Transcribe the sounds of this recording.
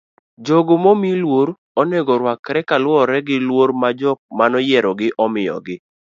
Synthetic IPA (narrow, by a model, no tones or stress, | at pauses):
d͡ʒoɡomomilwoɾ | ɔnɛɡɔɾwakɾɛkalɔɾɛɡɪlwoɾmad͡ʒɔk̚manɔjɛɾɔɡɪʔɔmɪjɔ̰ɡɪ